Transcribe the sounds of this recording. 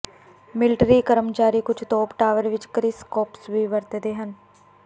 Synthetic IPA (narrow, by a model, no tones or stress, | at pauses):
mɪlʈɾiːkəɾəmt͡ʃaːɾiːkʊd͡ʒt̪oːpʈaːʋəɾʋɪt͡ʃkɾɪskɔːpsʋiːʋəɾt̪d̪eːɦən